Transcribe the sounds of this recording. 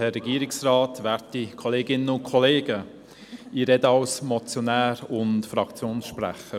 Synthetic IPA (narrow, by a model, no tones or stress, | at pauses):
hɛrːɛɡiːɾɪksraːtʋæːɾtikʰɔleːɡɪnəʊnkʰɔleːɡ̥ə | iɾɛdəɑʊsmɔt͡sjɔnæːɾʊntfɾɑkt͡sjoːnsʃpræ̰χə